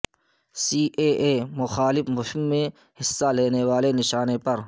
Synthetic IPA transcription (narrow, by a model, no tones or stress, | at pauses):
siːʔeːeːmʊxaːlɪfmʊɦɪmːẽ | hɪsːaleːnewaːlenɪʃaːnepɐɾ